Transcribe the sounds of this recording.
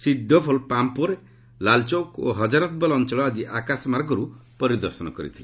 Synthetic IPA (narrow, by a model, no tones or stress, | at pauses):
siɖʱːɔpʰɔlpampuɾe | lalt͡ʃɔwko̰ɦɔd͡ʒaɾɔt̪̚bɔlɔnt͡ʃɔlɔad͡ʒiʔakasmaɾɡɔɾupɔɾid̪ɔɾsɔnɔkɔɾḭt̪ʰile